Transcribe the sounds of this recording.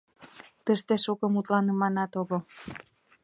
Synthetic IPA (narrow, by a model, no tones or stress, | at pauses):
t̪əʃt̪eʃukɤ̆mut̪lɑnə̆mɑnɑt̪oɣɤl